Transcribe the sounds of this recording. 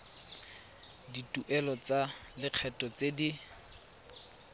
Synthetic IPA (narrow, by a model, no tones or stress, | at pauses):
ditʼuʔɛlɔt͡salɪq͡χʰɛtʼɔt͡sedi